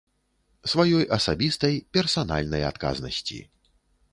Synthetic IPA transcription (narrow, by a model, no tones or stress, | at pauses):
svajɔjʔɐsabʲist̪ɐjpʲɛrsana̰lʲnɐja̰t̪ka̰znɐsʲt͡sʲḭ